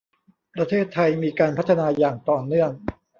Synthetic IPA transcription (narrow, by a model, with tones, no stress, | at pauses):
pɾa˧t̪ʰeː˥˩t̪ʰːa˧jmiː˧kaː˧npʰa˦˥t̪ʰːa˧naː˧jaː˨˩ŋt̪ɔː˨˩nɯ˥˩əŋ